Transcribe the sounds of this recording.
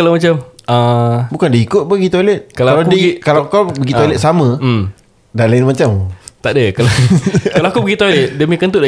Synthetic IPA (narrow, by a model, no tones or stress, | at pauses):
kalawmat͡ʃamabukandaikʊt̪̚bəɡit̪olɛt̪̚kalaaladɡikalakabəɡit̪olɛt̪̚samã | dalaɪnmat͡ʃamt̪aʔdəkalakalawakubəɡit̪olɛt̪̚dəmĩkənt̪uʔda